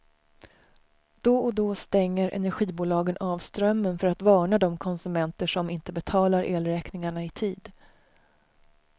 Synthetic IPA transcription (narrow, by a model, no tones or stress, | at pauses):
d̪̥ɔɔd̪ɔst̪ɛŋːəɾʔɛ̰næɾɧiːbuːlɑːɡənʔɑːvst̪ɾœmːənfœɾat̪vɑːɳad̪ɔmkʰɔnsɵmɛnt̪əʂɔmɪnt̪əbɛt̪ʰɑːlaɾʔeːlɾɛːknɪŋaɳaɪt̪ʰiːd̪